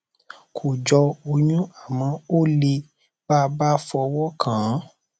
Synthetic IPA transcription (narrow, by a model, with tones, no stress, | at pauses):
kʰo˨d͡ʒɔ˧o˧ɲũ˦a˦˨mã˨˧˦o˦˨le˧ | ba˦ba˦fɔ˧wɔ˦kʰã˨˦